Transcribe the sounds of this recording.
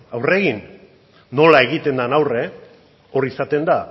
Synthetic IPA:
awre̞ɣinː | o̞lae̞ɣit̪e̞nd̪anawre̞ | o̞ɾisat̪e̞nd̪a

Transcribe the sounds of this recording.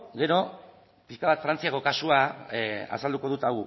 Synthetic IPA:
ɡe̞ɾo̞ | piskaβat̪fɾant͡siako̞kasua | a̰sald̪uko̞ð̞ut̪aɣu

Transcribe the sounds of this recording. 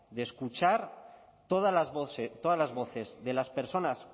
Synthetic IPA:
ðeskut͡ʃaɾ | t̪oðalazβoθet̪oðazlazβo̞θe̞zðe̞laspe̞ɾso̞nas

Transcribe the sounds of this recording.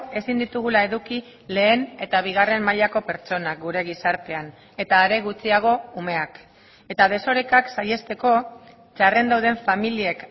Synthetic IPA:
e̞sind̪it̪uɣ̞ulae̞ðuki | le̞ːne̞t̪aβ̞iɣ̞are̞mmaʎako̞pe̞ɾt͡ʃo̞nak̚ɡuɾe̞ɣ̞isaɾt̪e̞an | e̞t̪aːɾe̞ɣ̞ut͡siaɣ̞o̞ume̞ak | e̞t̪að̞e̞so̞ɾekaksaje̞st̪e̞ko̞ | t͡ʃare̞nd̪awð̞e̞ɱfamilie̞k

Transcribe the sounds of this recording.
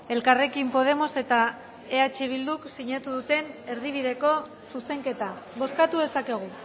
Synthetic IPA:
e̞lkare̞kimpo̞ðe̞mo̞se̞t̪a | e̞at͡ʃiβ̞ild̪uksiɲat̪uðut̪e̞ne̞ɾðiβ̞iðe̞ko̞ | suse̞ŋke̞t̪aβo̞skat̪uðe̞sake̞ɣ̞u

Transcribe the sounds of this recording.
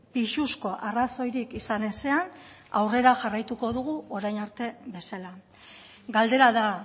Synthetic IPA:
piʃusko̞ʔaraso̞jɾikisane̞se̞an | awre̞ɾaʝarajt̪uko̞ð̞uɣ̞uʔo̞ɾajnaɾt̪e̞βe̞sala | ɡald̪e̞ɾaða

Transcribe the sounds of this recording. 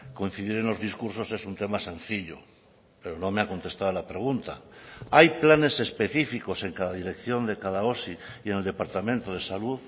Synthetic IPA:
ko̞ĩn̟θiðiɾe̞nlo̞zðiskuɾs̬o̞se̞sunt̪e̞mase̞n̟θiʎo̰ | pe̞ɾo̞no̞meako̞nt̪e̞st̪aðolapɾe̞ɣ̞unt̪a̰ajplane̞se̞spe̞θifiko̞se̞ŋkaðaðiɾe̞kθjo̞nd̪e̞kaðao̞siie̞neld̪e̞paɾt̪amẽnt̪oð̞e̞saluð

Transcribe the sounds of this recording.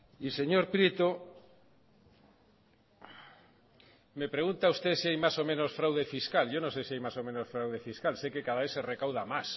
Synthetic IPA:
iseɲoɾpɾit̪o | mepɾeɣunt̪aust̪esiajmasomẽnosfɾawðefiskalʝownõsejsiajmasomẽnosfɾawðefiskalsejkekaðaβeθserekawð̞amas

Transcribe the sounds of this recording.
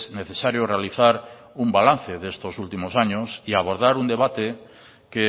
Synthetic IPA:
neθesaɾjore̞aliθaɾ | umbalan̟θeðest̪osult̪imosaɲosiaβ̞o̞ɾð̞aɾund̪e̞β̞at̪e | ke

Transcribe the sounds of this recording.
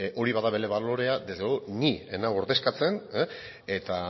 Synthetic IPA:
ʔo̞ɾiβaðaβe̞le̞βalo̞ɾe̞ad̪ezeonienawo̞ɾðe̞skat͡se̞ne | e̞t̪a

